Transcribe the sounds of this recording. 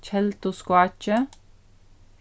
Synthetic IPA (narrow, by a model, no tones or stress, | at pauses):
t͡ʃʰɛlt̪ʊskwat͡ʃə